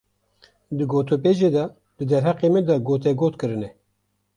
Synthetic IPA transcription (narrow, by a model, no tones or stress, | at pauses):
d̪ɨɡoːt̪ʰop̬eːʒeːd̪ɑ | d̪ɨd̪ɛɾɦɛqeːmɛd̪ɑɡoːt̪̬ɛɡoːt̪kɨɾɨnɛ